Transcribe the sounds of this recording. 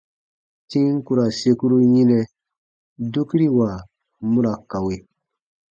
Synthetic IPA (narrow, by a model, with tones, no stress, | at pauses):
tĩ˦ŋ̩˦ku˦ɾa˨se˦˧ku˦ɾu˦ɲĩ˦nɛ̃˦ | du˦ki˦ɾi˦wa˨ | mũ˦ɾa˨ka˨we˨